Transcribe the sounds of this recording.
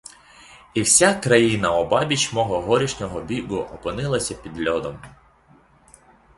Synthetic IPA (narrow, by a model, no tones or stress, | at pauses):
iwsʲakɾɐjinɐɔbɑbʲit͡ʃmɔɦɔɦɔɾʲiʃnʲɔɦɔbʲiɡʊʔɔpɪnɪlˠɐsʲɐpʲid̪lʲɔd̪ɔm